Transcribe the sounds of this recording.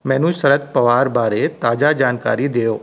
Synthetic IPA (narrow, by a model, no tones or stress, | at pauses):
mɛ̃ːnũsɐɾət̪pɐʋaːɾbaːɾet̪aːd͡ʒad͡ʒaːnka̰ːɾid̪eːjoː